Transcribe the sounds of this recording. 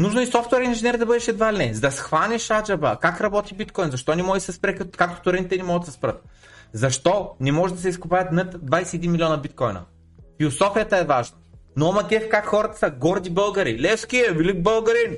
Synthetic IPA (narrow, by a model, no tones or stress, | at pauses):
nuʒnoɛsɔft̪wɛɾinʒinɛɾd̪ɐbɤd̪ɛʃɛd̪valinɛzɐd̪ɐsxvanʲɛʃad͡ʒɐbəkakɾɐbɔt̪ibit̪kɔjnzɐʃt̪ɔnimɔɡisɛspɾɛkkakt̪o̥t̪oɾɛnit̪ɛnimɔɡət̪sɛ̥spɾət̪̚ | zɐʃt̪ɔnɛmɔʒɛd̪ɐsɛiskʊpajɐt̪nɐt̪d̪vajsɛːd̪inmilʲiɔnɐbit̪kɔjnə̰ | filˠosɔfijət̪əɛvaʒnənomɐkʲɛfkakxɔɾɐt̪ə̥səɡɔɾd̪ibɤlˠɡɐɾilɛskʲiɛvilik̚bɤlˠɡɐɾin